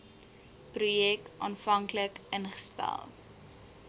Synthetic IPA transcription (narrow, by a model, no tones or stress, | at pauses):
prujɛk̚ʔɑːnfɐŋkləkənχə̥stæ̰lˠ